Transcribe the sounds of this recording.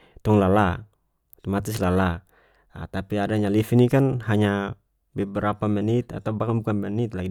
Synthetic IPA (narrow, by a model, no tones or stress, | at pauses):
t̪ɔŋlala | t̪ɔmat̪islala | t̪apiadaɲalifinikanɦaɲa | bɛbɛɾapamɛnit̪a̰t̪aubakanbukanmɛnit̪̚laɡi